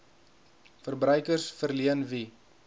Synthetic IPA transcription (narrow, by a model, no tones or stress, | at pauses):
fərbrœɥkərsfərliənvi